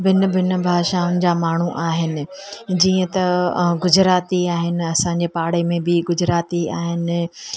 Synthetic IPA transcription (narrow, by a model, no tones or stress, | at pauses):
bɪn̆bʱɪnbʱaːʃaːʊnɪ̆d͡ʑaːmaːɳ̤uʔaːɦɪnɪ̆ | d͡ʑiːə̃t̪ɐɡʊd͡ʑɾaːt̪iaːɦɪnɪ̆ɐsãɲd͡ʑepaːɽemẽbɪɡʊd͡ʑɾaːt̪iaːɦɪnɪ̆